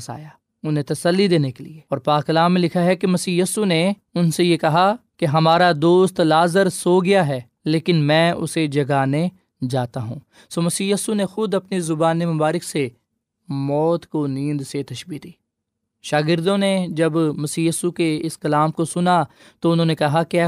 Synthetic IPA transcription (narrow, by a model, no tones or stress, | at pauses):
sa̰ːjaː | ʊnɦẽt̪ɐsəlːid̪eːnekelḭeːɔːɾpaːkɐlaːmːẽlɪkʰaɦɛkemɐsiːjiːsune | ʊnsejekɐɦakeɦɐmaːɾad̪oːst̪laːzəɾsoːɡɪjaɦɛː | leːkɪnmɛ̃ːʔʊ̰sed͡ʒɐɡaːne | d͡ʒaːt̪aɦṵ̃ː | soːmɐsiːjiːsunexʊd̪ɐpnizʊbaːnemɐbaːɾɪkse | mɔːt̪konĩːnd̪set̪ɐʃbiːt̪d̪iː | ʃaːɡɪɾd̪õned͡ʒɐbmɐsiːjiːsukeɪskɐlaːmkosʊna | t̪oʊnɦõːnekɐɦakː